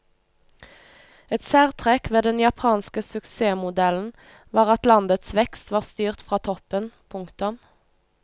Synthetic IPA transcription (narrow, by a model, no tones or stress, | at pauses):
ɛt̪sæːʁt̪ʰʁɛkʋeːd̪ɛnjɑpʰɑːnskəsʉkseːmʊd̪ɛln̩ | ʋɑːʁɑt̪lɑnd̪ət̪sʋɛkst̪ʋɑːʁst̪yːʁt̪fʁɑːt̪ʰɔpənpʰʊŋkt̪ʊm